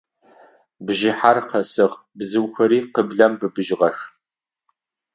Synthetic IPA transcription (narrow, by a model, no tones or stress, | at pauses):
bʒɪħarqʰɐsɨʁ | bzɨwxʷɐɾiːqəbɮɐmbɨbɨʒʁɐx